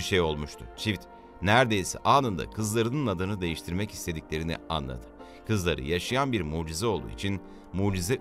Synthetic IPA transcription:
ʃejo̞lˠmuʃt̪ʰʊ̰t͡ʃʰift̪ | næɾd̪e̞jsɛ̰ʔaːnɯnd̪a̰kʰɯzlˠaɾɯnɯnad̪ɯnɯd̪e̞jiʃt̪ʰiɾmɛci̥st̪ʰe̞d̪iclʲe̞ɾinḭa̰nlˠa̰d̪ʰɯ̥ | kʰɯzlˠaɾɯ̰jaʃajanbiɾmuːd͡ʒizɛo̞lˠd̪ṵːḭt͡ʃʰin | muːd͡ʒizɛ

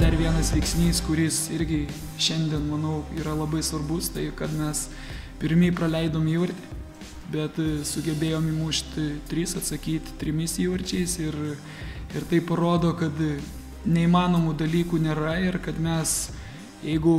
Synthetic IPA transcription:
d̪ɐrʋʲiɛnɐsʋʲɛɪksʲnʲiːskʊɾʲɪsɪɾʲɡʲɪ | ʃʲɛnʲd̪ʲiɛnmɐnɐʊiːɾɐlˠɐbɐɪsʋɐrbʊst̪ɐɪkɐt̪mʲɛs | pʲɪɾʲmʲiːprɐlʲɛɪd̪oːmiːʋɐrʲt̪ʲe̥ | bʲɛt̪sʊɡʲɛbʲeːjoːmimuːʃʲt̪ʲt̪ʲɾʲisɐt̪sɐkʲiːt̪ʲt̪ʲɾʲɪmʲɪsiːʋɐrʲt͡ʃʲɛɪsɪr | ɪrt̪ɐɪpɐɾoːd̪oːkɐt̪ | nʲɛiːmɑːnoːmud̪ɐlʲiːkuːnʲeːɾɐɪrkɐt̪mʲɛs | jɛɪɡʊ

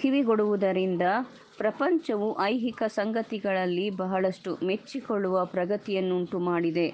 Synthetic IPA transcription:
k̪ʰiʋiɡoɽuʋud̪ɐɾind̪ɐ | pɾɐpɐɲt͡ʃɐʋuʔɐjɦikɐsɐŋɡɐt̪iɡɐɭɐlːibɐɦɐɭɐʂʈumet͡ʃːikoɭːuʋɐpɾɐɡɐt̪ijɐnːuɳʈumaːɽid̪e̞

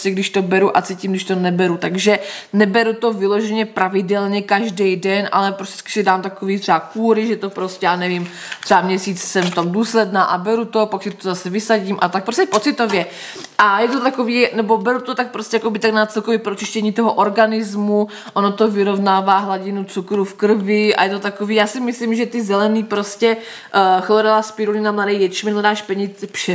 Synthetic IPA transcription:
scɛɡdɪʃt̪obɛɾuʔa̰t͡siːciːmɡdɪʃt̪onɛbɛɾut̪aɡʒɛnɛbɛɾut̪o̞vɪloʒɛɲɛpɾavɪdɛlɲɛkaʒdɛjdɛnʔa̰lɛpɾoscʲɛ̥skɪ̥sidaːmt̪akoviːt̪r̥ɛakuːɾɪʒɛt̪opɾoscɛjaːnɛvɪm | t̪r̥ɛamɲɛsiːt͡ssɛmft̪omduːslɛdnaːʔabɛɾut̪opaksɪt̪ozasɛvɪsaɟiːmʔat̪ak̚pɾoscɛpot͡sɪt̪ovjɛ | ʔajɛt̪ot̪akoviːnɛbo̞bɛɾut̪ot̪ak̚pɾoscɛjakobɪt̪aɡnat͡sɛlkovjɛpɾot͡ʃɪʃcɛɲiːt̪oɦoʔoɾɡanɪzmu | ʔonot̪ovɪɾo̞vnaːvaːɦlaɟɪnut͡sukɾufkr̩vɪʔa̰jɛt̪ot̪akoviːjaːsɪmɪslimʒɛt̪ɪzɛlɛniːpɾoscɛ | xloɾɛlaspɪɾunɪnamladɛjjɛt͡ʃimɛnlɛdaːʃpɛɲɪt͡sfʃɛ

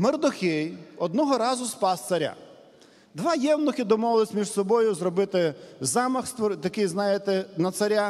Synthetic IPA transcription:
merd̪ʊxɪjɔd̪̚nɔɦɔɾɑzʊspɑst̪sɐɾʲa̰ | d̪ʋɑjɛwnɔxʲɪd̪ɔmɔʋɪlˠɪsʲmʲiʒsɔbɔjʊzrɔbɪt̪ɪzɑmɐxst̪ʋɔɾt̪ɐkɪjznɑjɪt̪ɛnɐt̪sɐɾʲa

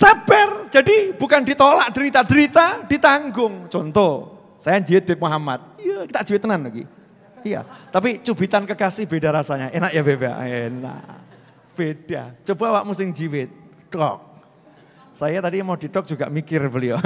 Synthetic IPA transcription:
sab̥ɛrd͡ʒadib̥ukandit̪olaʔd̥əɾit̪adəɾit̪ad̥it̪aŋɡʊŋt͡ʃɔnt̪ɔ | sajaɲd͡ʒiwɪt̪̚d̥ep̚muɦamat̪̚ijakit̪aʔd͡ʒiwɪt̪ːənanlaɡḭ | ija̰t̪ap̬it͡ʃubit̪ankəkasɪhbedaɾasaɲaʔenaʔjabeba̰ʔena̰ʔ | b̥eɖ̥a̰t͡ʃob̥awaʔmusɪŋd͡ʒiwɪt̪̚ | ɖ̥ɔ̰k̚ | sajat̪adimadidɔk̚d͡ʒ̥uɡa̰ʔmikɪrbəlio

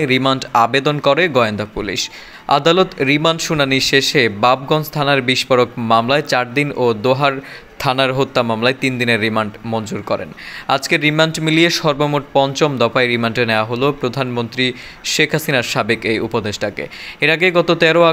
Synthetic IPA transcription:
ɾimaɳʈabed̪onkɔɾeɡɔeond̪apulḭʃ | a̰d̪alot̪ɾimaɳʈʃunaniʃeʃebab̚ɡɔnst̪ʰanaɾbiʃpoɾokmamlaet͡ɕaɾd̪inod̪oɦaɾ | t̪ʰanaɾɦot̪ːamamlaet̪ind̪ineɾːimaɳʈmɔnd͡ʑuɾkɔɾḛnad͡ʑkeɾimaɳʈmilieʃɔɾbomoʈ̚pɔnt͡ɕomd̪ɔfaeɾimaɳʈeneaɦolopɾod̪ʱanmont̪ɾi | ʃekʰɦasinaɾʃabekejupod̪eʃʈakḛeɾaɡeɡɔt̪ot̪ɛɾoa

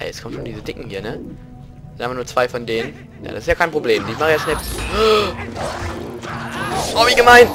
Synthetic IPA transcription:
ʔɛ̰ɛskʰɔmtʃoːndiːzədɪkŋ̩hiːɐnə̥ | ʔaɪmvaɐnuːɐt͡sv̥aɪfɔndeːnən | ja̰ːda̰sɪstjaːkʰaɪnpʁ̥obleːmdɪçmaχəjasnɛ | ɔːmɪçɡəmaɪnt

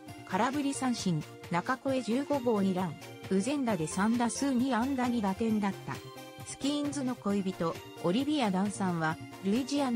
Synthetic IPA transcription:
kʰaɾabɯ̟ɾʲisãɰ̃ɕĩn | nakako̞e̞d͡ʑɨːɡo̞ɡo̞ːɲ̟iɾãŋ | ɯ̟zẽ̞nd̪ad̪e̞sãnd̪asɨːɲ̟iãnd̪aɲ̟iɡat̪ẽ̞nd̪at̪ːa̰ | sɨ̥kʲĩːnd͡zɨno̞ko̞ibʲit̪o̞ | oɾʲibʲiad̪ãɰ̃sãɰ̃βa | ɾɯ̟id͡ʑian

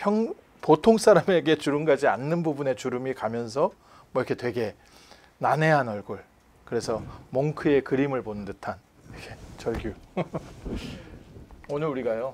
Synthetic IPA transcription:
çjʌŋ | potʰoŋs͈aɾame̞ɡe̞t͡ɕuɾɯnɡad͡ʑianːɯnbubune̞t͡ɕuɾɯmikamjʌns̬ʰʌ | mwʌikʰe̞twe̞ɡe̞ | nane̞ɦanʌɭɡoɭ | kɯɾe̞sʰʌmoŋkʰɯe̞kɯɾimɯɭponɯndɯtʰan | iɡʰet͡ɕʌɭɡju | onɯɾuɾiɡajo

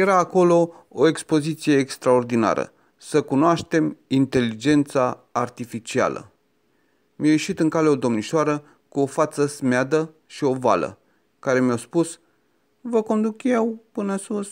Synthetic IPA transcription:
je̞ɾaːko̞lo̞ | oekspo̞zit̪sije̞ːkst̪ɾao̞rd̪ina̰ɾə̰ | səkunoaʃt̪e̞mint̪e̞lid͡ʒe̞nt̪saːrt̪ifit͡ʃia̰lə̰ | mʲjajeʃit̪ɨŋkale̞o̞d̪o̞mniʃoaɾə | kuo̞fat̪səsmead̪ə | ʃio̞va̰lə̰ | kaɾe̞miaspus | vəko̞nd̪ukjewpɨnəsus

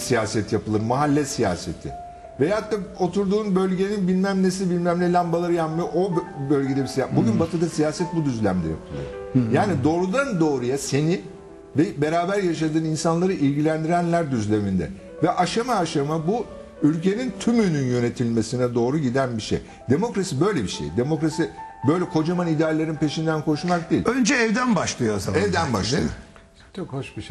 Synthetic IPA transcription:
sijaːsɛt̪ʰjapɯlˠɯɾmaɦalʲːɛsija̰ːse̞̰t̪ʰɪ̰ | vɛjat̪ːao̞t̪ʰuɾd̪uːnbø̞lʲɟe̞ninbilʲmæmlʲes̬ibilʲmæmlʲɛlʲambalˠaɾɯjapmajʔobølʲɟe̞d̪ɛbisijabuɟynbat̪ʰɯd̪asijaːsɛt̪̚bud̪yzlʲæmd̪ɛ̰ja̰pʰɯlˠɯ̰ɾjaːnid̪o̞ːɾud̪and̪o̞ːɾujase̞ni | vɛbe̞ɾaːbæɾjaʃad̪ɯːninsanlˠaɾɯʔilʲɟilʲænd̪iɾænlʲæɾd̪yzlʲe̞mind̪ɛ̰ | vɛʔaʃamaːʃamabu | ylʲcʰe̞nint̪ʰymynynjø̞ne̞t̪ʰilʲme̞sinɛd̪o̞ːɾuɟid̪ænbiʃḛj | d̪̥e̞mo̞kɾasibø̞jlʲebiʃḛjd̪e̞mo̞kɾasibø̞jlʲɛkʰo̞d͡ʒamanid̪aːlʲeɾɯnpe̞ʃind̪ænkʰo̞ʃumak̚d̪eḭlʲønd͡ʒɛːvd̪ænbaʃlˠɯjoaza̰ɛvd̪ænba̰ʃʃeo | t͡ʃʰokhoʃbiʃ

